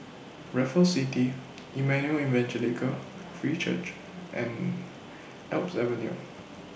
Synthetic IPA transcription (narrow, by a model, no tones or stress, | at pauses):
ɹɛfəsiti | ʔimɛ̃njuəlĩnvɛ̃nt͡ʃəlekʰə | fɹit͡ʃə̰t͡ʃ | ʔɛ̰̃n | ɛlpsɛvə̃njṵ